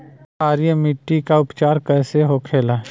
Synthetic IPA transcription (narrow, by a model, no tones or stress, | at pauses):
aːɾijəmɪʈːikaʊpt͡ʃaːɾkɛːseɦokʰeːlaː